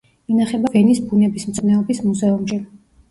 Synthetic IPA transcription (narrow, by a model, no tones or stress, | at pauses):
inaχɛbavɛnisbunɛbismt̪sʰʼnɛɔbismuzɛumʃi